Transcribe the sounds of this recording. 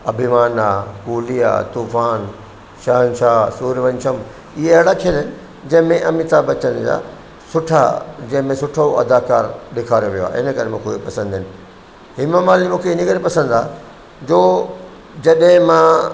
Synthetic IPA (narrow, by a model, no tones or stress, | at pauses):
ɐbʱimaːnakuːlija̰ːt̪uːfaːn | ʃaːnʃaːɦsuːɾʋɐ̃ɲʃəm | iɦeɐɦɪɽakʰele | d͡ʑɐ̃ɦɪ̃mẽʔɐmit̪aːbɐt͡ɕə̃nd͡ʑa̰ː | sʊʈʰa̰d͡ʑɐ̃ɦɪ̃mẽsʊʈʰoʔɐ̰d̪aːkaːɾɗekʰaːɾjoʋijoa̰ːɪ̰nə̆kɐɾemũːkʰepɐsə̃nd̪ɪnɪ̆ | ɦɪməmaːlimũːkʰeɪnəkɐɾipɐsə̃nd̪aː | d͡ʑoː | d͡ʑɐɗɦɪ̃mãː